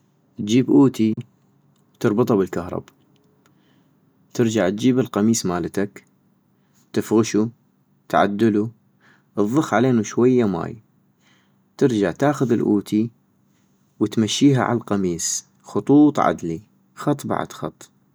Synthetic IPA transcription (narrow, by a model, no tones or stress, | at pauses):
t̪d͡ʒiːbʔuːt̪i | t̪ɨɾˤbɨt̪ˤɑbɪlkahɾˤɑ̰ba | t̪ɪɾd͡ʒaʕt̪̚d͡ʒiːbɪlqɑmiːsmaːlɪt̪ak | t̪ɪfɣɪʃu | t̪ʕa̰d̪ːʊlu | ʔɨðˤːʊxʕaleːnuʃwajːama̰ːj | t̪ɪɾd͡ʒaʕt̪aːxʊðɪlʔuːt̪ʰi | wɪt̪maʃːiːɦa̰ʕa̰llqɑmiːs | xʊt̪ˤuːt̪ˤʕa̰d̪li | xɑt̪ˤːba̰ʕ̰d̪̥xɑ̰t̪ˤː